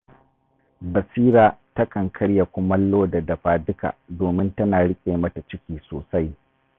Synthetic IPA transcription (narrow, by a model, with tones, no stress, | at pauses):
bɐ˨siː˦ɾaː˦tɐ˦kʰɐ˨ŋkʰɐ˦ɽja˨kʷʊ˦mɐ˦lːoː˦dɐ˨dɐ˨ɸaː˦dɪ˦ka̰ː˨doː˨mɪ˦ntɐ˦naː˨ɽɪ˦kʲʼeː˨mɐ˦ta˨t͡ʃɪ˦kʲiː˨soː˨sa˦j